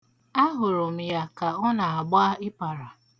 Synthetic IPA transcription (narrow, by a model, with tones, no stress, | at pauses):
a˦ɦʊ˨ɾʊ˨m̩˨ja˦ka˨ɔ˦na˨a˨ɡ͡ba˦ɪ˦pa˨ɾa˨